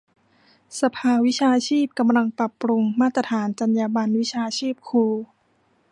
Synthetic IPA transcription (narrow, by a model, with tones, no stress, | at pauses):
sa˧pʰaː˧wi˦˥t͡ɕʰaː˧t͡ɕʰiː˥˩p̚ka˧mla˧ŋpɾa˨˩pːɾu˧ŋmaː˥˩t̪ɾa˧t̪ʰaː˩˦nt͡ɕa˧njaː˧ba˧nwi˦˥t͡ɕʰaː˧t͡ɕʰiː˥˩p̚kʰuː˧